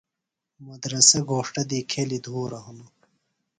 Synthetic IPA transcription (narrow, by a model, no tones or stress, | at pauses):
mɐd̪ɾɐsɐɡʱoːʂʈɐd̪iːkʰelid̪ʱoːɾɐɦunu